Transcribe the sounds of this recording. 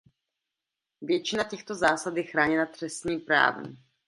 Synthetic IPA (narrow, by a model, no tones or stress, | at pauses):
vjɛt͡ʃɪnacɛxt̪o̞zaːsad̪ɛxɾaːɲɛlat̪r̝̥ɛst̪ɲiːmpɾa̰ːvɛ̰m